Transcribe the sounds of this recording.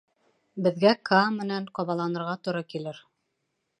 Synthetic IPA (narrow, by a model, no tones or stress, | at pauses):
bɘ̆ðɡækʰamɘ̆næɴqɒβɑlˠɑnɤ̆ɾʁɑt̪ŏɾɑkilɘɾ